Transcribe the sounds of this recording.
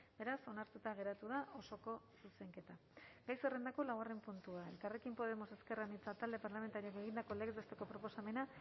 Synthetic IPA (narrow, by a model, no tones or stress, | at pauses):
be̞ɾaso̞naɾt̪ut̪aɣ̞e̞ɾat̪uð̞aʔo̞so̞ko̞ | suse̞ŋke̞t̪a | ɡ̥ajsere̞nd̪ako̞lawɣare̞mpunt̪uae̞lkare̞kimpo̞ð̞e̞mo̞se̞ske̞ramit͡sat̪ald̪e̞paɾlame̞nt̪aɾioke̞ɣ̞ind̪ako̞le̞ɣezβest̪e̞ko̞pɾo̞po̞same̞na